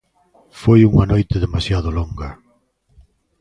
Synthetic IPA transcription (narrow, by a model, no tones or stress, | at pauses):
fojuŋanojt̪eðemasjaðʊloŋɡɐ